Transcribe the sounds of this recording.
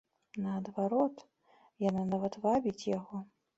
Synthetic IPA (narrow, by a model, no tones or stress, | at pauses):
nɐːd̪vaɾɔt̪ | jananavɐt̪vabʲit͡sʲjaɣɔ